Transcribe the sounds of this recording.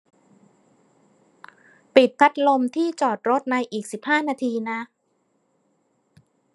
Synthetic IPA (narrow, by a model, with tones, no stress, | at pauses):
pi˨˩t̪̚p̪ʰa˦˥t̪̚lo˧mt̪ʰiː˥˩t͡ɕɔː˨˩t̪̚ɾo˦˥t̪̚na˧jʔiː˨˩k̚si˨˩p̚haː˥˩naː˧t̪ʰiː˧na˦˥